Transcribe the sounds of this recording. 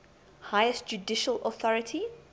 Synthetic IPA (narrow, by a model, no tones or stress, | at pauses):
hajəstd͡ʒudɪʃəlɔθɔɹɪtʰi